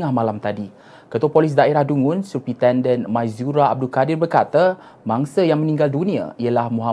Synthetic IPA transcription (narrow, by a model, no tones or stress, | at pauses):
ahmalamt̪adi | kət̪uapolis̬daeɾahduŋʊnsupit̪ɛndənmãjzuɾaab̚dulkadɪrbərkat̪a | maŋsəjaŋmə̃nĩŋɡaldunĩa̰iəlahmuɦa